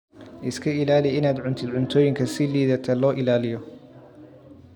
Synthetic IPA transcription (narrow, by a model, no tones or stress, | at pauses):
ʔɪskʰɐɪlaːlɪɪnaːd̪ʕʊnt̪ʰɪd̪ʕʊnt̪ʰɔːjɪŋkʰɐsɪliːðɐt̪ʰɐlɔːʔɪlaːlɪjɔ